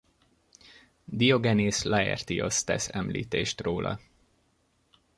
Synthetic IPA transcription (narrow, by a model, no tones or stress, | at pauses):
d̪ijoɡɛneːslɛɛ̰rt̪iost̪ɛsɛmlḭːt̪eːʃt̪roːlʔɒ̰